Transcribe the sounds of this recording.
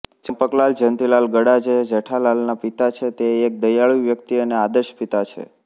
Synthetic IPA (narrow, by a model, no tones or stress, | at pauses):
t͡ʃəmpəklald͡ʒənt̪ilalɡəɽad͡ʒed͡ʒəʈʰalalnapit̪at͡ʃʰet̪eːk̚d̪əjaɭiʋjəkt̪iənead̪əɾʃpit̪at͡ʃʰḛ